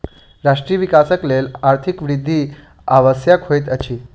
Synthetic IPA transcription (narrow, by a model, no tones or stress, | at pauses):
ɾaʂʈɾijəʋikasəklelaɾt̪ʰikʋɾid̪ʱːiː | aʋəsjakhojt̪ət͡ɕiː